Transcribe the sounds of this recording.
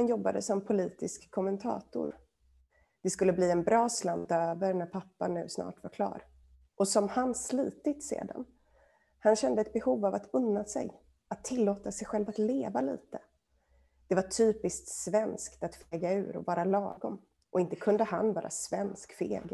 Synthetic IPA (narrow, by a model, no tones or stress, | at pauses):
hanjɔbːad̪əsɔmpʰʊliːt̪ɪskkʰːɔmɛnt̪ʰɑ̰ːt̪ʊ̰ɾ | d̪̥ɛskɵlːəbliːɛnbɾɑːsland̪øːvəɾnæɾpʰapːanʉ̟ːsnɑ̰ːʈvaɾkʰlɑ̰ːɾ | ʔɔsɔmhansliːt̪ɪt̪sḛːd̪a̰n | hanɕɛnd̪əɛt̪̚bɛhuːvavat̪ɵnːasɛ̰j | at̪ʰːɪlːoːt̪asɛjɧɛlvat̪leːvalḭːt̪ə | d̪̥ɛvaʈʰyːpɪskt̪svɛnskt̪at̪feːɡaʉ̟̰ːɾɔ̰vɑːɾalɑ̰ːɡɔm | ʔɔɪnt̪əkʰɵnd̪əɦa̰nvɑːɾʔa̰svɛnskfeɡ